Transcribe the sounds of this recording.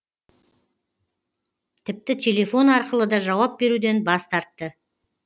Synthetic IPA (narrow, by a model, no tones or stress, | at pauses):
t̪ʰɪp̚t̪ɪt̪ʲʰe̞lʲe̞fo̞nɑɾqəlˠəd̪ɑʒɑwɑp̚be̞ɾud̪e̞nbɑst̪ɑɾt̪ːə